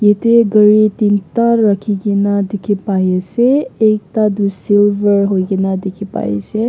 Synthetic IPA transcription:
jet̪eɡəɾit̪int̪aːəkʰiɡenad̪ekʰepajeseek̚t̪ad̪usilʋəɾɦoiɡenad̪ekʰepa̰ḛse

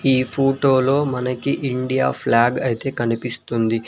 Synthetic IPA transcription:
iːpʰoːʈoːlo̞ːmɐnɐkiʔiɳɖija̰ːpʰlaːɡɐjit̪e̞ːkɐnipist̪und̪i

